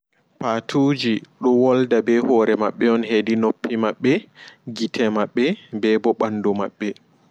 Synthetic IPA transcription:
paːtʰuːd͡ʒiɗɔwɔldabɛhɔːɾɛmaɓːɛɔnɦedinopːimaɓːɛɡitʰɛmaɓːɛbɛbɔɓanːdɔmaɓːɛ

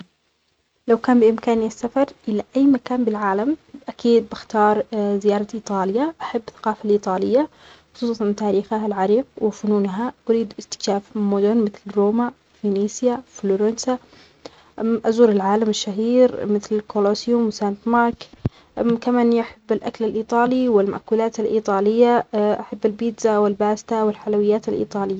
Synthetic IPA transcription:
lawkaːnbɪʔɪmkaːniasːafɑɾˤʔɪlaʔajːmakaːnbɪlʕaːlamʔakiːd̪̚bɪxt̪ɑːɾˤzɪjɑːɾˤɑʔiːt̪ˤɑːljaʔaħabːθḁqɑːfalʔiːt̪ˤɑːlɪjːa | xʊ̥sˤuːˤɑnt̪aːɾiːxahalʕɑɾiːq̚wɪfʊnuːnɦaʔʊɾiːd̪ɪkt̪ɪ̥kʃaːfmʊd̪ʊnmɪθlɾoːma | finiːsjafloɾensa | ʔazuːɾɪlʕaːlamɪʃːaɦiːɾmɪθlɪlkolosjʊmwsant̪mɑːɾˤk | kamaːnːiʔaħabːɪlʔaklalʔiːt̪ˤɑːliwɪlma̰ʔkuːlaːt̪alʔḭːt̪ˤɑːlɪjːaʔaħabːalbiːd̪zawɪlbaːst̪awɪlħalawɪjːaːt̪alʔḭːt̪ˤɑːlɪjːa

